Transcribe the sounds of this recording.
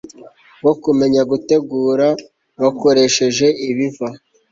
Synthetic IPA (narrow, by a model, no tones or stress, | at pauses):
wokume̞ɲaɡute̞ɡuːɾa | βako̞ɾe̞ʃe̞ʒe̞ʔiβiva